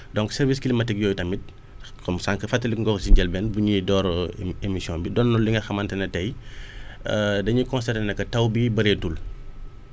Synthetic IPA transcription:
dɔŋksɛɾviskilimɐtɛɡ̚jɔːjtɐmit̚ | kɔmsaŋkɐfɐtːɐlikŋɡɔksiɲɟɛlbɛnbuɲidɔːɾemisijɔ̃mbidɔnːɔlːiŋɡɐxɐmɐntɛnɐtɛj | dɐɲikɔ̃nsɛtɛnɛkːɐtɐwbibɐɾetul

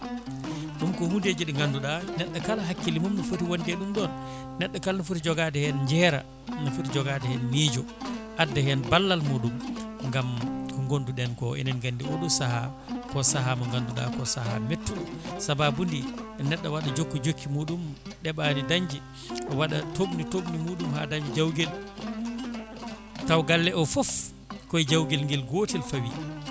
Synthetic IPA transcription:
ɗumkɔhunded͡ʒiɗɛŋɡanduɗanɛɗːakalɦakːilimumnɔfutiwondɛɗumɗɔnː | ɛɗːakalnɔfutid͡ʒɔɡadɛhɛnd͡ʒɛɾa̰ | nɔfutid͡ʒɔɡatɛhɛnliːd͡ʒɔ | ʔadːahɛnbalːalmuːɗumŋɡamɔŋɡonduɗɛnkɔʔɛ̰nanɡandiɔɗusaha | kɔsaɦamaŋɡanduɗa̰kɔsahametːuɗsababundiɛnɛɗːawaɗad͡ʒokːud͡ʒokʰːimuːɗumɗɛɓanidaɲd͡ʒi | ʔɔwaɗatobnitobnimuːɗumhadaɲd͡ʒɛd͡ʒawɡɛl | tawɡalːɛʔɔfɔf | kɔjd͡ʒawɡɛlŋɡɛlɡotɛlfawḭ

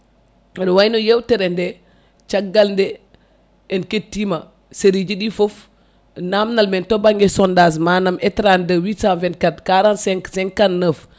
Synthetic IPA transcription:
dwajnojewtɛɾɛndɛ | t͡ʃaɡːalndɛ | ɛnketːima | seɾid͡ʒiɗifof | namnalmɛntobaŋɡɛsɔndas̬maːnamɛtɾandəwisãnvɛnt̚katkaɾansɛŋksɛŋkanːəf

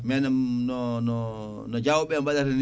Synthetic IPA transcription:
mɛnamnɔnɔ | nɔd͡ʒawɓɛmbadaɾn

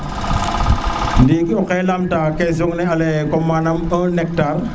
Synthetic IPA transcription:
dikɔkajlamtakɛzɔŋnɛalɛkɔmanamənɛk̚tar

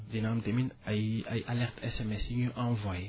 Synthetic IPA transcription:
d̪inamd̪eminajajʔalɛʁt̪ɛsɛmɛsiɲuʔãvwa

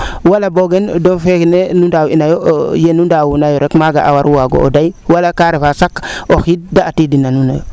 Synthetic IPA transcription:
walaboɡendonfeknenundawinajojenundawunajoɾekmaɡa̰ʔa̰waɾuwaɡo̰o̰dajwalakaɾefasakoxit̚daːtiːdinanunajo̰

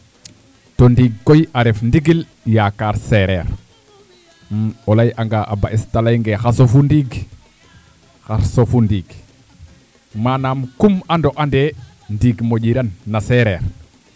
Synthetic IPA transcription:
tondiɡ̚kojaɾefndiɡil | jakaːɾseɾeɾ | olajʔaŋɡaʔabaʔistalajŋɡexasofundiɡ | xaɾsofundiːɡ | manaːmkumandoʔande | ndiːɡmoɟiɾanːaseɾeːɾ

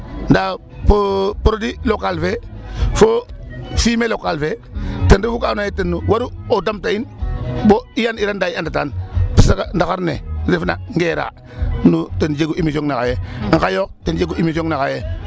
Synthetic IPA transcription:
nda | popɾodilokalfefofimelokalfetəndifukanojetenːuwaɾuodamtainboijaniɾandaiandatanpisakandakaɾnedifina̰ŋɡeːɾa̰ː | nutend͡ʒeɡuʔimisoŋnaka̰jeŋ̩kajok̚tend͡ʒeɡuʔimisoŋnakaje

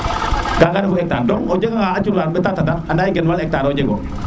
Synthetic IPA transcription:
ɡaŋɡanabuɛk̚taɾdɔŋɔd͡ʒeɡɔŋaat͡ʃuɾaɾbɛtatataandajiɡɛnwalɛk̚taɾɔd͡ʒeɡɔ

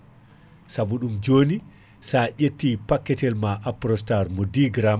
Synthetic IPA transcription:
sabuɗumd͡ʒoːni | saːʔetːiːpakːɛtɛlmaʔapɾɔstaɾmɔdiɡɾam

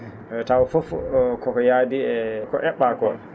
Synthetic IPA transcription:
tawfofkɔkɔjadiɛkɔʔɛɓːakɔ

